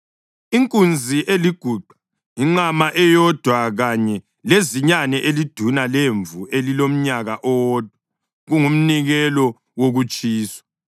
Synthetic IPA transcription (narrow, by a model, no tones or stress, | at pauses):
iŋkʼund͡zʱiʔeliɡ̥ʱuːǃʱḁ | iŋ͡ǁamaʔɛjɔd̥ʱwaɣaɲɛ | leziɲanɛʔelid̥ʱunaleɱvuelilom̩ɲaɣaʔɔːd̥ʱwa | ɣuŋum̩niɣɛlɔ | woɣut͡ʃʼiːsḁ